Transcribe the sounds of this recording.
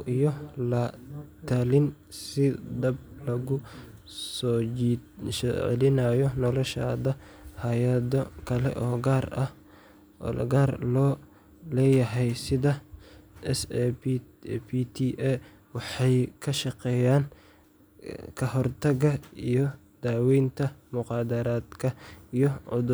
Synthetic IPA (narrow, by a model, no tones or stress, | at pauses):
ijɔlɐt̪ʰalɪn | sɪd̪ɐb̚lɐɣʊ | sɔ | ʃɛʕ̰lɪnajɔnɔlɔʃa̰ːðɐhaːjɐðɔkʰɐlɛ̰ʔɔːɡaːrɐ̰h | l̰ɡaːrlɔː | lɛːjɐɦɛjsɪðɐʔɛs | pit̪ʰiʔɛ | wɑħɑjkʰɐʃɑqɛːjaːn | kʰɐhɔrt̪ʰɐɣɐijɔd̪̥aːwiːnt̪ʰɐmʊqɑːd̪ɐɾaːd̪kʰɐijɔʕʊ̰ðʊ